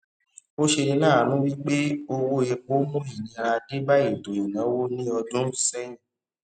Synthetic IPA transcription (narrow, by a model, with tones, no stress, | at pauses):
o˦ʃe˧nĩ˧nãː˦˨˦nũ˦wi˦k͡pe˦o˧wo˦ɛ˧k͡po˦mũ˦i˨nĩ˨˧ɾa˧de˦ba˦i˦˨to˨jo˨nã˨˦wo˦nĩ˦ɔ˧dũ˦˨sɛ̃˦ĩ˦˨